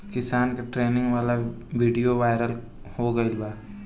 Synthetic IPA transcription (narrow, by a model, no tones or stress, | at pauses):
kɪsaːnkaʈɾeːnɪ̃ŋɡʋaːlaʋiːɖijoʋaːɪɾəl | hoɡɐɪlbaː